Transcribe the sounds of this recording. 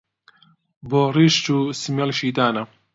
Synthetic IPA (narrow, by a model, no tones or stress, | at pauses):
boːriʃtuːsimjɐlʃiːt̪aːnɐ